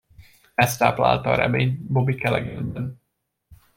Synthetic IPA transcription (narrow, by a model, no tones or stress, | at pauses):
ɛst̪aːpla̰ːlt̪ɒːɾɛ̰meːɲbobikɛlɛɡɛnb̪ɛn